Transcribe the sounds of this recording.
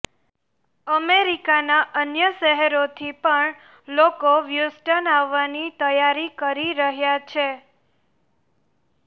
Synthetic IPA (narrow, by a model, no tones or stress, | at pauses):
əmeɾikanaʔənjəʃəɦɛɾot̪ʰipəɳ | lokoʋjusʈənaʋːanit̪əjaɾikəɾiɾəɦjat͡ʃʰe